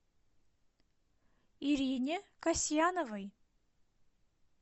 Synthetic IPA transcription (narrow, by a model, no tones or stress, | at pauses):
iɾʲinʲɪkasʲjanovəj